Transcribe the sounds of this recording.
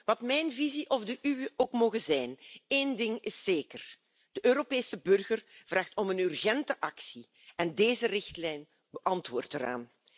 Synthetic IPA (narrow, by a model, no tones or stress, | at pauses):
ʋɑtmɛjnviziʔɔvdəʔywəʔoːkmoːɣəzɛjneːndɪŋɪsːeːkər | d̥əʔøːɾopeːsəbɵrɣərv̥raːxtɔmənyrɣɛntəʔɑksi | ɛndeːzərɪxtlɛjn | bəʔɑntʋoːrtəɾa̰ːn